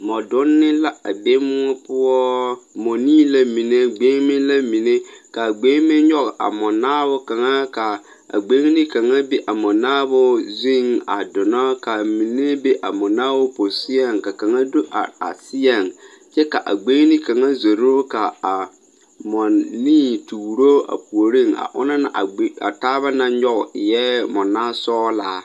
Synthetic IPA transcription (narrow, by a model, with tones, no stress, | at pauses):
mɔ˨dʊ˦nːɪ˦la˦a˨ɡ͡be˦mʊ˦ɔ˦pʊ˦ɔ˦mo˨niː˦la˦mi˨ne˦ɡ͡beː˦mɪ˦la˦mi˨ne˦ka˨ɡ͡be˦mɪ˦ɲɔ˦ɣa̰˨mɔ˨naː˦bʊ˦ka˨ŋa˦ka˨ | a̰˨ɡ͡be˦ŋ˦nɪ˦ka˨ŋa˦be˦ʔa˨mɔ˨naː˦bʊ˦zi˦ŋa̰˨dʊ˨na˦ka˨mi˨ne˦be˦ʔa̰˨mʊ˨naː˦bʊ˦po˨sɪ˦ɛ˨ŋka˨ka˨ŋa˦do˦ʔa̰˨a̰˨sɪ˦ɛ˨ŋ | t͡ʃɛ˦ka˨ʔa̰˨ɡ͡be˦ŋ˦ni˦ka˨ŋa˦zo˨ɾo˦ka˨a˨ | mɔ˨nːi˦tuː˨ɾo˦a̰˨pu˨o˨ɾi˦˨ŋa̰˨ʔʊ̰˦na˦na̰˨ʔa˨˦a̰˨taː˦βa˦nã˦ɲɔ˦ɣɪ˨jɛː˦mʊ˨nːaː˦sɔː˦laː˨˦